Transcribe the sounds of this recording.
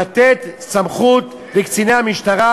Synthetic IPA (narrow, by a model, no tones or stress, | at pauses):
at̪et̪samχut̪ | bekt͡sinehamiʃt̪aʁa